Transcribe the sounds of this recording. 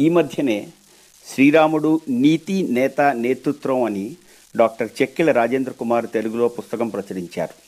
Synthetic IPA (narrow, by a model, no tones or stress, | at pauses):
iːmɐd̪ʱjɐne̞ː | ʃɾiːɾaːmuɽuniːt̪inɛːt̪ane̞ːt̪ɾut̪ɾɐmɐni | ɖaːk̚ʈɐɾt͡ʃekːilɐɾaːd͡ʒeːnd̪ɾɐkumaːɾt̪eluɡulo̞ːpust̪ɐkɐmpɾɐt͡ʃɐɾiɲt͡ʃa̰ːɾu